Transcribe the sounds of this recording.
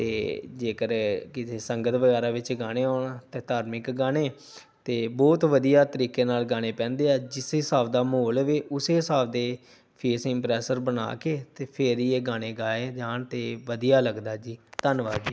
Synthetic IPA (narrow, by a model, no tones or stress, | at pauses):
t̪ḛːd͡ʒeːkəɾkɪt̪ʰeːsəŋɡət̪ʋəɡɛːɾaːʋɪt͡ʃɡaːɽ̃eːoːnat̪eːt̪aːɾmɪkɡaːɽeː | t̪eːbɔːt̪ʋəd̪ijaːt̪əɾiːkeːnaːlɡaːɽ̃eːpɛ̃ːnd̪eːaːd͡ʒɪsɪsaːbd̪aːmɦoːlːʋeːʔʊseːɦɪsaːbd̪eː | pʰeːsɪ̃mpɾɛːsəɾbəna̰ːkeːt̪eːpʰɪɾieːɡaːɽ̃eːɡaːeːd͡ʒaːnt̪eːʋəd̪ijaːləɡd̪aːd͡ʒiːt̪ənʋaːd͡ʒiː